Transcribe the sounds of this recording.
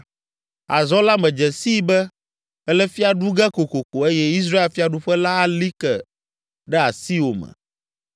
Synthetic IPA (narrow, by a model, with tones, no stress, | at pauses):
a̰˨zɔ˦la˦mɛ̃˨d͡ʒɛ˨si˦bɛ˦ | ɛ˦lɛ˦fi˦a˨ɖu˦ɡɛ˦ko˨ko˨ko˨e˦jɛ˦i˦s̬ɾa˦e˦lfi˦a˨ɖu˦ɸɛ˦la˦a˦li˦kɛ˨ | ɖɛ˦a˨si˦wo˨mɛ̰̃˨